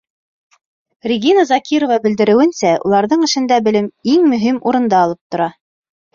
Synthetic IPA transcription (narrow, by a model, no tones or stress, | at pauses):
rʲɪɡʲinazɑkʲiɾovɑbɘ̆ld̪ɘ̆ɾɘ̆wɘ̆nsæṵlˠɑɾðɤɴɘ̆ʃɘ̆nd̪æbɘ̆lɘmiŋmɵ̆ɦimuɾɤ̆nd̪ɑːlˠɤp̚t̪ŏɾɑ